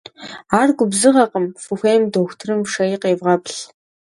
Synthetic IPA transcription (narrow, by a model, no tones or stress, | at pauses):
aːrɡʷʊbzɨʁɐqəmfɨxʷeːmdoːxʷtʰɨrɨmʂɐjiqeːvʁɐpɬ